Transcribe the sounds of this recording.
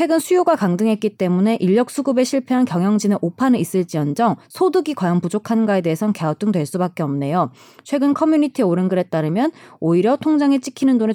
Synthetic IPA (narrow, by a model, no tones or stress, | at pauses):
t͡ɕʰwe̞ɡɯnsʰujoɡakaŋdɯŋɦe̞t̚k͈it͈e̞mune̞ʔiʎːʌk̚s͈uɡube̞ɕʰiɭpʰeɦankjʌŋjʌŋd͡ʑinɯʔopʰanɯis͈ɯɭt͡ɕ͈iʌnd͡ʑʌŋsʰodɯɡikwajʌnpud͡ʑokʰanɡae̞de̞esʰʌnkeʌt͈ɯŋdwe̞ɭs͈ubak͈̚eʌmne̞jo | t͡ɕʰwe̞ɡɯnkʰʌmjuɲitʰieoɾɯnɡɯɾe̞t̚t͈aɾɯmjʌnoiɾjʌtʰoŋd͡ʑaŋet͡ɕ͈ʰikʰinɯndone